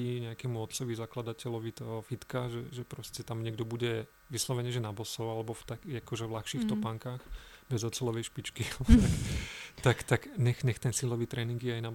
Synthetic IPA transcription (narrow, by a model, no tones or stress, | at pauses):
iɲɛakɛːmuɔt̪t͡sɔʋizaklad̪acɛlɔʋit̪ɔɔfit̪kaʒɛʒɛpɾɔscɛt̪amɲɛɡ̚d̪ɔbuɟɛ | ʋislɔʋɛɲɛːʒɛnabɔsɔʊalɛbɔft̪akːakɔʒɛvlaxʃiːxt̪ɔpaŋkaːxbɛzɔt̪t͡sɛlɔʋɛjʃpit͡ʃkit̪akt̪akt̪akɲɛxɲɛxt̪ɛnsilɔʋiːt̪ɾɛːniŋɡjɛajnab